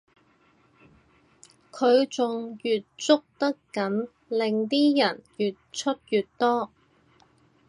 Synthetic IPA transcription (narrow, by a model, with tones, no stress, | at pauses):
kʰɵ˨˧ɥt͡sʊ˨ŋjyː˨t̚t͡sʊ˥k̚t̪ɐ˥kkɐ˨˥n | lɪ˨ŋt̪iː˥jɐ˨˩njyː˨t̚t͡ʃʰɵ˥t̚jyː˨t̚t̪ɔː˥